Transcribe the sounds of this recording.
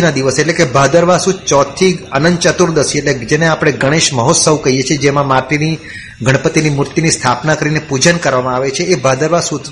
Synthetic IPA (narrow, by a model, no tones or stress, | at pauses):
nad̪iʋəseʈlekebʱad̪əɾʋasũt͡ʃɔt̪ʰːiənənd̪t͡ʃət̪uɾd̪əsieʈled͡ʒeneapɽ̃eɡəɽ̃eʃməɦot̪səʋkəɦijet͡ʃʰied͡ʒemãmaʈini | ɡʱəɽ̃pət̪inimuɾt̪inist̪ʰapnakəɾinepud͡ʒənkəɾʋamãaʋet͡ʃʰeːbʱad̪əɾʋasũ